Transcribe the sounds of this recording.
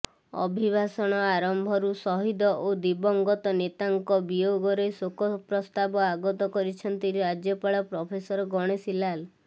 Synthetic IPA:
ɔ̰bʱibʱasɔɽ̃ɔaɾɔmbʱɔɾusɔɦid̪ɔʔod̪ibɔŋɡɔt̪ɔnet̪aŋkɔbijoɡɔɾesokɔpɾɔst̪abɔaɡɔt̪ɔkɔɾit͡ʃʰɔnt̪iɾiɾad͡ʒjɔpaɭɔpɾɔpʰesɔɾɔɡɔɽ̃esilal

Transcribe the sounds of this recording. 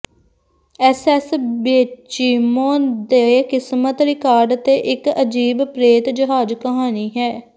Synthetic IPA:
ɛsɛsbeːt͡ʃiːmõːd̪eːkɪsmət̪ɾɪkaːɾɖt̪eːʔɪkəd͡ʒiːbpɾeːt̪d͡ʒəɦaːd͡ʒkəɦaːniːɦɛː

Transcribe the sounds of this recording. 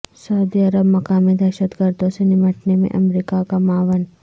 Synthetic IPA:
sɐʊd̪iəɾəbmɐkaːmid̪ɛːʃət̪ɡəɾd̪õsenɪməʈnemḛ̃ʔɐmɾiːkakamaːʋən

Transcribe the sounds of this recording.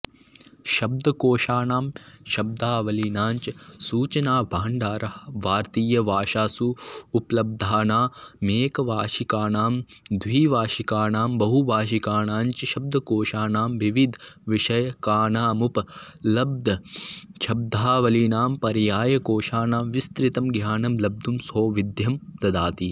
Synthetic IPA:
ʃɐb̚d̪ʱɐkoːʃaːɳaːmʃɐb̚d̪ʱaːʋɐlinaːɲt͡ʃɐsuːt͡ʃɐnaːbʱaːɳɖaːɾɐʋaːɾt̪iːjɐʋaːʃaːsuːplɐb̚d̪ʱaːnaːmeːkɐʋaːʃikaːɳaːmd̪ʱwiːʋaːʃikaːɳaːmbɐɦubaːʃ̬ikaːɳaːɲt͡ʃɐʃɐb̚d̪ʱɐkoːʃaːnaːmʋiʋid̪ʱʋiʃɐjɐkaːɳaːmuplɐb̚d̪ʱɐʃʰɐb̚d̪ʱaːʋɐliːnaːmpɐɾjaːjɐkoːʃaːnaːmʋist̪ɾit̪ɐmɡʱjaːnɐmlɐb̚d̪ʱumsɦoːʋid̪ʱjɐmt̪ɐd̪aːt̪i

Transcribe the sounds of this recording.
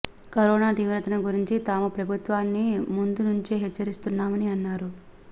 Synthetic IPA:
kɐɾɔːnaːt̪iːʋɾɐt̪ɐnɐɡuɾiɲt͡ʃit̪aːmupɾɐbʱut̪ʋaːnːimund̪unuɲt͡ʃiɦɛt͡ʃːɐɾist̪unːaːmɐniɐnːaːɾu

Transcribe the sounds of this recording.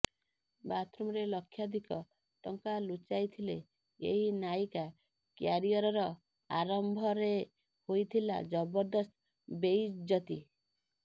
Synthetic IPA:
bat̪ɾumɾelɔkʰːjad̪ʱikɔ | ʈɔŋkalut͡ʃajt̪ʰile | ḛɦinajka | kjaɾiɔɾɔɾɔ | aɾɔmbʱɔɾe | hojt̪ʰila̰d͡ʒɔbɔɾd̪ɔst̪ | bejd͡ʒɔt̪i

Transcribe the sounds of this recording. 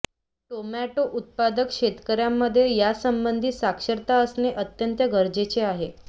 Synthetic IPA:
ʈomæʈoʔut̪̚pad̪əkʂet̪kəɾjamːəd̪ʱːjejasəmbənd̪ʱiːsakʂəɾt̪aəsneʔət̪jənt̪jəɡəɾd͡ʑet͡ɕeaɦe

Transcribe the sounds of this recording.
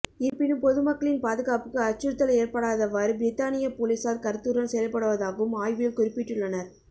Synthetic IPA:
ɪpɪnɯmpɔðɯmɐkːɐɭɪnpaːðɯɣaːpɯkːɯɐt͡ʃːɯɾt̪ːɐleːɾpɐɽaːðɐʋɐɾbɪɾɪt̪ːaːnɪjɐpoːlɪsaːɾkɐɾt̪uːɾɐnsɛjɐlpːɐɽɯʋɐðaːɣɐʋɯmaːjʋɪɐlkʊɾɪpːɪʈːɯɭːɐnɐɾ

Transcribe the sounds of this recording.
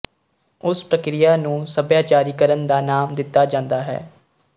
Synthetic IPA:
ʊspɾəkɾɪjaːnũːsəbjaːt͡ʃaːɾiːkəɾənd̪aːnaːmd̪ɪt̪ːaːd͡ʒãːnd̪aːɦɛ̰ː

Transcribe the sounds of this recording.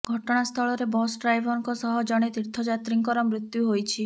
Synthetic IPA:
ɡʱɔʈɔɽ̃ast̪ʰɔɭɔɾebɔsɖɾajbʱɔŋkɔsɔɦɔd͡ʒɔɽ̃et̪iɾt̪ʰɔd͡ʒat̪ɾiŋkɔɾɔmɾit̪juɦojt͡ʃʰi

